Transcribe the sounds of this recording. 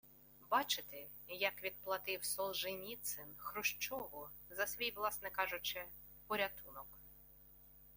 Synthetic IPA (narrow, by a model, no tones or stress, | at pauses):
bɑt͡ʃɪt̪ɪ | jɐkʋʲid̪̚plˠɐt̪ɪwsɔlˠʒɪnʲit̪sɪnxɾʊʃt͡ʃɔʋʊ | zɐsʋʲijʋlˠɑsnɛkɑʒʊt͡ʃɪ | pɔɾʲɐt̪unɔk